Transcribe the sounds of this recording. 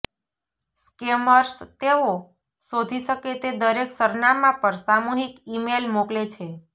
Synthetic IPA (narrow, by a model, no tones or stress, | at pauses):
skeməɾst̪eo | sod̪ʱiʃəket̪ed̪əɾeksəɾnamãpəɾsamuɦikimelmoklet͡ʃʰe